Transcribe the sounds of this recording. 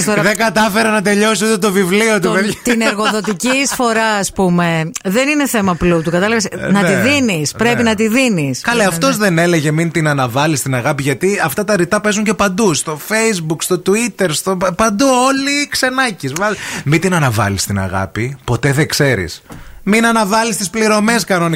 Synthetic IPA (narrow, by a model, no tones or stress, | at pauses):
soɾðeŋɡɐt̪ɐfe̞ɾɐnɐt̪e̞ʎo̞siot̪et̪o̞vivlio̞t̪uvet̪neɾɣoðo̞t̪icisfo̞ɾɐɐspume̞ðenine̞θe̞mɐplut̪ukɐt̪ɐlɐvesnɐiðinispɾepinɐt̪iðiniskɐleɐftt̪o̞zðe̞ne̞le̞ʝe̞mint̪inɐnɐvɐlist̪inɐɣɐpiʝɐt̪iɐft̪ɐt̪ɐɾit̪ɐpe̞zuɲce̞pɐnd̪ust̪o̞fe̞jzbukst̪o̞t̪uit̪e̞ɾst̪opɐnd̪uo̞likse̞nɐcisvɐmint̪inɐnɐvɐ̰list̪inɐ̰ɣɐ̰pipo̞t̪e̞ðekse̞ɾḭsminɐnɐvɐlist̪ispliɾo̞me̞skɐnoni